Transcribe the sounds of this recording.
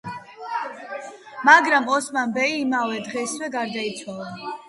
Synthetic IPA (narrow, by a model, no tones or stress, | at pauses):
maɡɾamɔsmanbɛiːmavɛd̪ʁɛswɛɡaɾd̪ait̪sʰwalˠa